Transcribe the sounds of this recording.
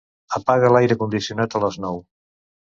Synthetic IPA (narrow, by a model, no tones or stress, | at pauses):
əpaɣəlajɾəkund̪isiunat̪ələznɔw